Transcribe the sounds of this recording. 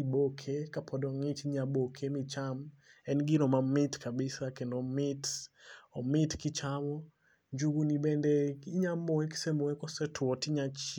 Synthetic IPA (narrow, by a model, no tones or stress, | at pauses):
ibokʰekapʰɔdɔŋit͡ʃiɲabokʰemit͡ʃam | ɛnɡinɔmamɪtkabɪsakendomɪtɔmɪtkit͡ʃamɔ | ɲd͡ʒuɡunibɛndɛiɲamoeki̥semoekɔsɛtʰwɔtiɲat͡ʃ